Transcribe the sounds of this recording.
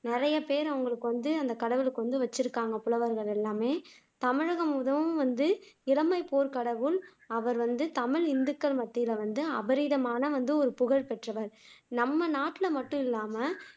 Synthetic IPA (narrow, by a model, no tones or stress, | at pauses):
nɪɾɐjɐpeːɾɐʋʊŋɡɐɭɯkːɯʋɐnd̪ɯɐnd̪ɐkɐɽɐʋɪɭɯkːɯʋɐnd̪ɯʋɐt͡ʃːɪɾɯkːaːŋɡɐpʊlɐʋɐɾɣɐɭɛlːaːmeː | t̪ɐmɪɻɐɣɐmʊðɐʋɯ̃mʋɐnd̪ɯɪlɐmɐɪpoːɾkɐɽɐʋɯɭ | ɐʋɐɾʋɐnd̪ɯt̪ɐmɪɭɪnd̪ɯkːɐɭmɐt̪ːɪjlɐʋɐnd̪ɯɐ̰bɐɾiːðɐmaːnɐʋɐnd̪ɯɔɾɯpʊɣɐɻpɛʈrɐʋɐɾnɐmːɐnaːʈːɪlɐmɐʈːɯ̃mɪlːaːmɐ